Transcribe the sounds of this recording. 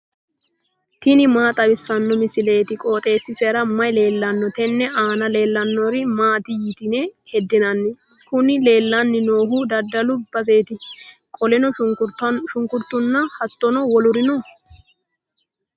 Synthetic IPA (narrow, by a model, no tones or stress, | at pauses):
t̪ɪnɪmaːt̪ʼɐbɪsːɐnːɔmɪsɪle̞ːt̪ɪkʼo̞ːt̪ʼe̞ːsːɪsɛɾɐmɐjle̞ːlːɐnːɔt̪ɛnːɛʔaːnɐle̞ːlːɐnːɔɾɪmaːt̪ɪjɪt̪ɪnɛhɛd̪ːɪnɐnːɪ | kʊnɪle̞ːlːɐnːɪno̞ːhʊd̪ɐd̪ːɐlʊb̥ɐs̬e̞ːt̪ɪkʼɔlɛnɔ | ʃʊŋkʊɾt̪ːʊnːɐhɐt̪ːɔnɔwɔlʊɾɪnɔ